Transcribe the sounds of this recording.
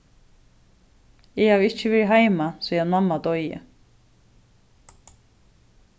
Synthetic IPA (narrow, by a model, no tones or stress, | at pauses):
ɛhavɪhcːɪvɛːɾiɦaːjmasiːanmamːat̪oɥjjɪ̰